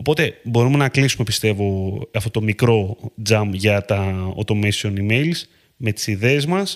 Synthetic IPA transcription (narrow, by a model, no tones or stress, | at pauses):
o̞po̞t̪e̞bo̞ɾume̞nɐklisume̞pist̪e̞vo̞ɐft̪o̞t̪omikɾo̞d͡zɐmʝɐt̪ɐo̰t̪o̞mesionime̞jls | me̞t̪i̥siðe̞ːzmɐs